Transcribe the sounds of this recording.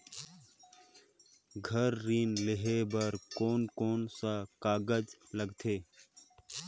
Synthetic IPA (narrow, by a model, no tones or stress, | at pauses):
ɡʱəɾːiːnlɪɦeːbəɾkoːnkoːnsakaːɡəd͡ʒləɡt̪ʰeː